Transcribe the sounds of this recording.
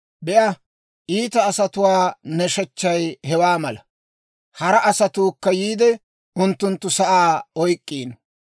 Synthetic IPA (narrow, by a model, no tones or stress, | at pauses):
bɛʔɐ | ʔiːt̪ɐːsɐt̪ʊwaːnɛʃɛt͡ʃːɐjhɛwaːmɐlɐ | hɐɾɐʔɐsɐt̪uːkːɐjiːd̪ɛ | ʔʊnt̪ːʊnt̪ːʊsɐʔaːɔjkʼːiːn